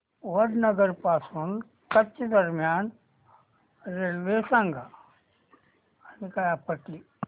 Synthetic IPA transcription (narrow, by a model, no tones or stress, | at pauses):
ʋɐɾnɐɡəɾpaːsun | kɐtt͡ʃd̪ɐɾmjaːn | ɾeʋeːsãŋɡa | ɐnikajapɐʈi